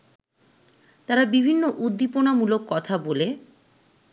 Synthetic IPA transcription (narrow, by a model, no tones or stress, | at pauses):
t̪aɾabibʱinːoʔud̪ːiponamulokːɔt̪ʰabole